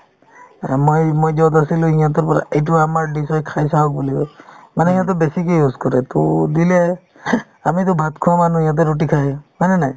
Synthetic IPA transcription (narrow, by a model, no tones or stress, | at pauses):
mojmojzɔt̪̬asilʊ̃ijãt̪̬ɔɹpɔɾa̰ʔejt̬uamaɹɖisɔjkʰajs̬aɔk̚bulikɔmanɛijãt̪̬ɔbesikejuskɔɾɛt̪ɔd̪ilɛ | amit̪ɔbʱat̪kʰʊ̃wamanũijãt̪̬ɔɾoʈ̬ikʰajmanɛnaj